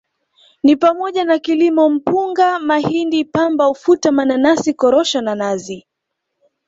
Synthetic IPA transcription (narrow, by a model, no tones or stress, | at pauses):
nipamɔʄanakilimɔm̩puŋɡamahindipambaufutamananasikɔɾɔʃananazi